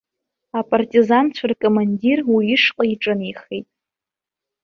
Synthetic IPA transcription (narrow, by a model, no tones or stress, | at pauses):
apʼartʼizant͡ɕʷʰarkʼomandirwiːʂqʼaiʈ͡ʂʼɨniχejtʼ